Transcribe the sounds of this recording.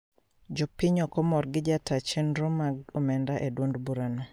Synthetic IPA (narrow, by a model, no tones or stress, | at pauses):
d͡ʒɔpɪɲɔkɔmɔrɡɪd͡ʒatat͡ʃɛnɾomaɡomɛndaʔedwondbuɾano